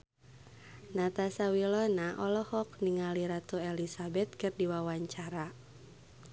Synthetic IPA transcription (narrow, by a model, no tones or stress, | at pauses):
nat̪asawilɔnaʔɔlɔhɔk̚niŋaliɾat̪uɛlisabɛt̪̚kɨrdiwawaɲt͡ʃaɾa